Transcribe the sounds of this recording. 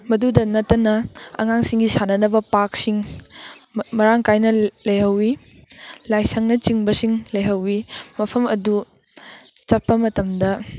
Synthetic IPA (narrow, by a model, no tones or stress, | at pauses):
mɐdudɐnɐtːɐnɐɐ̰ŋaŋsiŋɡisanɐnɐbɐpaksiŋ | mɐɾaŋkajnɐlɐjhɐwi | lajsɐŋnɐt͡ʃiŋbɐsiŋlɐjɦɐwimɐpʰɐmɐdu | t͡ʃɐpːɐmɐtɐmdɐ